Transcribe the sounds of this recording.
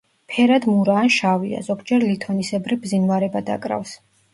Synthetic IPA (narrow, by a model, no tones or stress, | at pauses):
pʰɛɾad̪muɾaːnʃavia̰zɔɡd͡ʒɛɾlit̪ʰɔnisɛbɾibzinvaɾɛbad̪a̰kʼɾa̰fs